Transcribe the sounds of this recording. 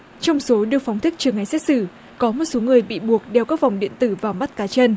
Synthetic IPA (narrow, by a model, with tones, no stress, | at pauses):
t͡ɕɔ˧wŋ͡mso˨˦ɗɨ˨˩əkfɔ˨˦wŋ͡mt̪ʰï˦˥k̚t͡ɕɨ˨˩əŋːa˨˧˩jsɛ˦˥t̚sɨ˧˩ | kɔ˨˦mo˨˩t̚so˨˦ŋɨ˨˩əjɓḭ˧˨ɓu˨˩ək̚ɗɛ˧˩wkaː˦˥k̚va˨˩wŋ͡mɗḭ˧˨ənt̪ɨ˧˩vaː˨˩wma˦˥t̚kaː˨˦t͡ɕə˧n